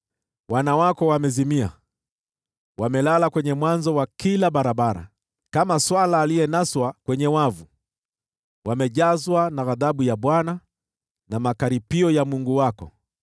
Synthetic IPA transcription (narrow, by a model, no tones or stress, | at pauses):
wanawakɔwamɛzimia̰ | wamɛlalakwɛɲɛmwanzɔwakilaɓaɾaɓaɾa̰ | kamaswalaːlijɛnaswakwɛɲɛwavu | wamɛʄazwanaɣaðaɓujaɓwana | namakaɾipiɔjamuŋɡuwakɔ̰